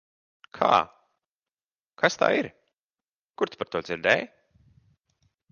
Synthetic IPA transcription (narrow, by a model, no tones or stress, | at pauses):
kʰa̰ː | kʰast̪a̰ːiɾ | kuɾt̪paɾt̪uɔd̪ziɾd̪ɛj